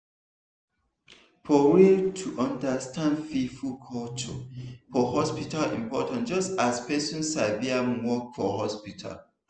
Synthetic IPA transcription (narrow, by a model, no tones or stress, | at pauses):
fɔɹitʰuʔʌ̃ndəstʰãndfefulkʰɔlt͡ʃɔ̰fɔhɔspitalḭ̃mpɔtãntd͡ʒʌstaspʰɛsɔ̃nsaviawɔkfɔhɔspitʰa̰l